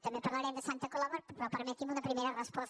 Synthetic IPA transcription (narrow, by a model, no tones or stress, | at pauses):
t̪ɐmepɐɾlaɾemd̪əsant̪əkolaβoɾppɾopəɾmet̪imunɐpɾimeɾɐrəspɔs